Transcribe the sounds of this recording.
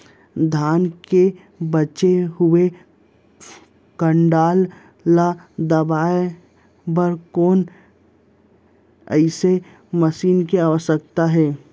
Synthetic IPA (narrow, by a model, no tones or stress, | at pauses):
d̪ʱaːnke | bət͡ʃeɦʊe | kə̃ɳɖaːlː | ad̪əbaːe | bəɾkoːn | ə̰ɪse | məsiːnkeaːʋəsək̚t̪aɦɛː